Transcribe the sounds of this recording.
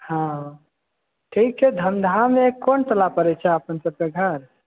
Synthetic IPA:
hã | ʈʰiːk̚t͡ʃʰɛd̪ʱənd̪ʱamẽkonʈəlapəɾet͡ʃʰɛəpənsəb̚keɡʱəɾ

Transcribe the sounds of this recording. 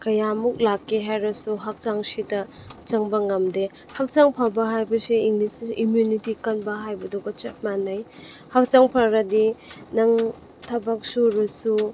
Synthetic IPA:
kɐjamuk̚lakːeɦajɾɐsuɦak̚t͡ʃaŋsidɐ | t͡ʃɐŋbɐŋɐmde | hak̚t͡ʃaŋpʰabɐɦajbɐseiŋlisimjunitikanbɐɦajbɐdoɡɐt͡ʃat̚manajhak̚t͡ʃaŋpʰaɾɐdinaŋ | tʰɐbak̚suɾɔsu

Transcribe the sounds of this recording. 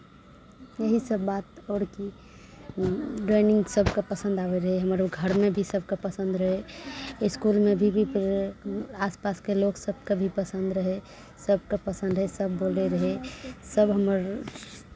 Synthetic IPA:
jeɦisəbːat̪ɔːɽki | ɖɾenɪ̃ŋɡsəbʱkapəsə̃nd̪abeɾəɦeɦəməɾɡʱəɾmebʱisəbʱkepəsə̃nd̪ɾəɦe | skulmebʱibʱip | aspaskeloksəb̚ʱkabʱipəsə̃nd̪ɾəɦe | səb̚ʱkapəsə̃nd̪ɾəɦesəbːoleɾəɦesəbɦəməɾ

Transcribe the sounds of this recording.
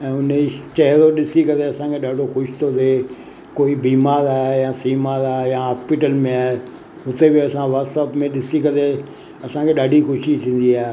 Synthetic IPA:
ɛ̃ːʊnt͡ʃɐɦɾoɗɪsikɐɾeɐsãkʰeɗaːɖʱoxʊʃɪ̥t̪ʰoɾ | koːibiːmaːɾaːɦejãsiːmaːɾaːɦejãɦaːspɪʈəlmẽaːɦe | ɦʊt̪ebɪɐsãʋasəpmẽɗɪsikɐɾe | ɐsãkʰeɗaːɖʱixʊʃit̪ʰĩːn̆d̪iaːɦe

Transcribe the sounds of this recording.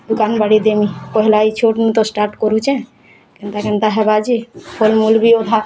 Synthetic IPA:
d̪ukanbaɽid̪emipɔɦilait͡ʃʰoʈnit̪ɔsʈaɾʈkɔɾut͡ʃʰɛ̃ | kent̪akɛnt̪aɦɛbad͡ʒipʰolmulbiod̪ʱa

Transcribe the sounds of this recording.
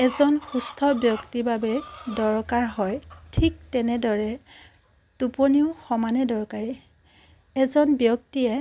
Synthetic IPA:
ɛzɔnxustʰɔbjɔktibabɛdɔɹkaɹɦɔjtʰik̚tɛnɛdɔɹɛ | tuponiʊxɔmanɛdɔɹkaɹi | ɛzɔnbjɔk̚tiɛ

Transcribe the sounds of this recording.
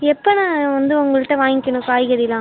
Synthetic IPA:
ɛpːonãːʋɐnd̪ɯʊŋɡɐɭɯʈːɐ̃ʋaːŋɡɪkːɐnʊ̃kaːjɣɐðɪlãː

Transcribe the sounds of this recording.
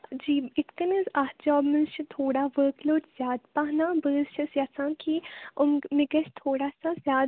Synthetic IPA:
d͡ʒiːɪt̪kɐnizaːsd͡ʒɔːbmɪlt͡ʃʰit̪ʰoːɽaʋəːkloːʈz̥jaːd̪paɦnaːbəːzt͡ʃɐsjɐsãːkʰiʊmmɪɡɐt͡ʃt̪ʰoːɽaːsazjaːd̪

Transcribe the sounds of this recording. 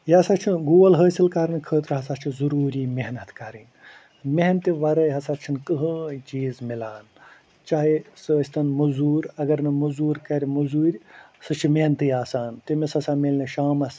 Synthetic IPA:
jaːsat͡ʃʰinɡuːlɦəːsilkɐɾɨnkʰəːt̪ɾɦɐsat̪t͡ʃʰizɐɾuːɾiːmeɦnɐt̪kɐɾɨnʲ | meɦnt̪iʋɐɾəjɦɐsat̪t͡ʃʰinkəɦəːt͡ʃiːzmilaːn | t͡ʃaːɦisəːsʲt̪ɐnmuzuːɾɐɡɐɾnɨmuzuːɾkɐɾʲmuzuːɾʲsɨt͡ʃʰimeɦnt̪ɨjaːsaːnt̪imesɐsamelʲnʲiʃaːmɐs

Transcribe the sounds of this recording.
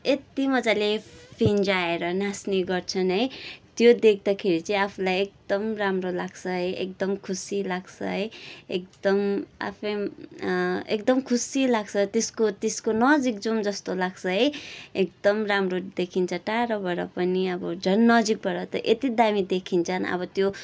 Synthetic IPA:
et̪imʌd͡zalepʰind͡zaeɾʌnasniɡʌrt͡sʰʌnɦʌjt̪jod̪ek̚ʰd̪akʰeɾit͡sʌĩapʰulajek̚d̪̥ʌmramrolaɡt͡sʰʌɦʌjḛk̚d̪ʌmkʰusilaɡt͡sʰʌ̰ɦʌjekd̪ʌma̰pʰʌj | ekd̪ʌmkʰusilaɡt͡sʰʌt̪eskot̪eskonʌd͡zik̚d͡zumd͡zʌst̪olaɡt͡sʰʌɦʌjek̚d̪ʌmramrod̪ekʰint͡sʰʌʈaɾʌbʌɾʌpʌniʌbʌd͡zʱʌnːʌd͡zik̚bʌɾʌt̪ʌ̰ʔet̪id̪amid̪ekʰint͡sʰʌnʌ̰bʌt̪jo

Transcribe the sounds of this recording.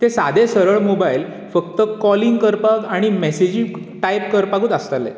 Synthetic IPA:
t̪esad̪ʱesəɾəɭmobail | fəkt̪əkɔliŋɡkəɾpakaɽ̃imesed͡ʑiʈajp̚kəɾpakuːt̪əst̪alːḛ

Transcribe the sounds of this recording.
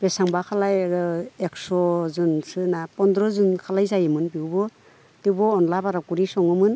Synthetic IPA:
b̥esaŋbakʰalajeksɔzunsɯnapɔnd̪ɾɔzunkʰalajzajɯmɯnbiwbɔ | tiwbɔːnlabaɾakuɾisɔŋɯmɯn

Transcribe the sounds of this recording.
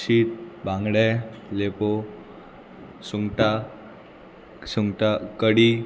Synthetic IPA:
ɕiːt̪̚bãŋɡɽɛlepo | suŋɡʈa | suŋɡʈakəɽi

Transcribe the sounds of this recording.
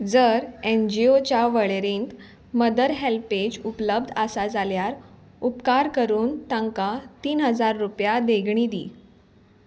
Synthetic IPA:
d͡zəɾend͡ʑiot͡ɕaʋəɭeɾeŋk̪ | məd̪əɾɦelped͡ʑupləb̚d̪ʱəsad͡zaljaɾ | upkaɾkəɾuːnt̪əŋkat̪iːnɦəd͡zaɾːupjad̪eɡʱɳ̃iːd̪ḭː

